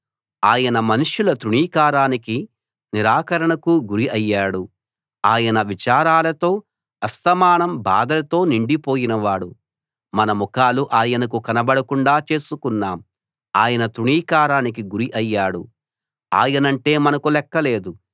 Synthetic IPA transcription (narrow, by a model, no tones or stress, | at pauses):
aːjɐnɐmɐnuʂulɐt̪ɾuɳiːkaːɾaːniki | niɾaːkɐɾɐɳɐkuɡuɾiʔɐjːaːɽu | aːjɐnɐʋit͡ʃaːɾaːlɐt̪o̞ː | ɐst̪ɐmaːɳɐmba̰ːd̪ɐlɐt̪o̞ːniɳɖipoːjinɐʋaːɽu | mɐnɐmukaːluʔaːjɐnɐkukɐnɐbɐɽɐkuɳɖaːt͡ʃe̞ːsukunːaːm | aːjɐnɐt̪ɾuɳiːkaːɾaːnikiɡuɾiʔɐjːaːɽu | a̰ːjɐnɐɳʈe̞ːmɐnɐkulɛkːɐle̞ːd̪u